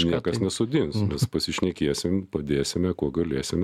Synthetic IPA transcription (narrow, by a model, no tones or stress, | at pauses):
nnʲiɛkɐsnʲɛsʊd̪ʲɪnsmʲɛspɐsʲɪʃʲnʲɛkʲiɛsʲɪmpɐd̪ʲeːsʲɪmʲɛkuɔɡɐlʲeːsʲɪmʲɛ